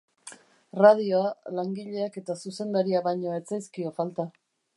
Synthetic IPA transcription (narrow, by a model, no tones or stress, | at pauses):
rað̞io̞alaŋɡiʎe̞ake̞t̪asuse̞nd̪aɾiaβajɲo̞e̞t͡sajskio̞falt̪a